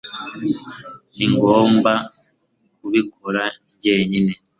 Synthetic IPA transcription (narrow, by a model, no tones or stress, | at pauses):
iŋɡoːmba | kuβikʰoɾaɲɟeːɲine